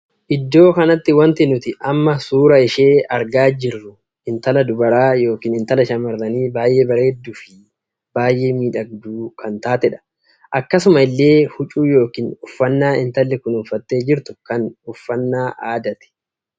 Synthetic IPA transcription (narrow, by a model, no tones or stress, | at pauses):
ʔɪd̪ːo̞ːkɐnɐt̪ːɪwɐnt̪ɪnʊt̪ɪʔɐmːɐsuːɾɐɪʃe̞ːɐɾɡaːd͡ʒɪrːʊ | ɪnt̪ɐlɐd̪ʊbɐɾaːjo̞ːkiːnɪnt̪ɐlɐʃɐmɐɾːɐniːbaːjʔe̞ːbɐɾeːd̪ːuːfɪ | b̥aːjʔe̞ːmiːᶑɐɡd̪uːkʰɐnt̪aːt̪ɛᶑɐ̥ | ʔɐkːɐsʊmɐɪlːe̞ːhʊt͡ʃʼuːjo̞ːkiːnʊfːɐnːaːɪnt̪ɐlːɛkʊnʊfɐt̪ːe̞ːd͡ʒɪɾt̪ʊ̥kɐnʊfːɐnːaːʔaːd̪ɐt̪ɛ̥